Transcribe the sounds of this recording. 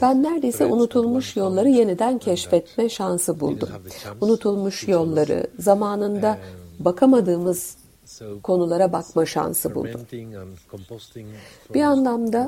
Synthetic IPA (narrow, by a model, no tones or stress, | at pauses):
b̥ænːæɾd̪ejsɛʔunut̪ʰulˠmuʃjo̞lˠːaɾɯje̞nid̪æncʰɛʃfɛt̪mɛʃansɯbṵlˠd̪ṵmunut̪ʰulˠmuʃjo̞lˠːaɾɯ̰zamaːnɯnd̪abakʰamad̪ɯːmɯz̥ | kʰo̞nulˠaɾabakmaʃa̰nsɯbṵlˠd̪um | b̥ianlˠamd̪a